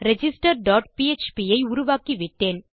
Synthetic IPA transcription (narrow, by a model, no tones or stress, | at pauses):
ɾɛd͡ʒɪsʈɐɾɖaːʈ̚piet͡ʃpiːɐɪʊɾʊʋaːkiʋɪʈːeːn